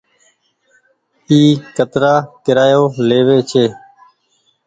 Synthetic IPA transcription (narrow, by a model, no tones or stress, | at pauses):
iːkət̪ɾaːkɪɾaːjoːleːʋeːt͡ʃʰeː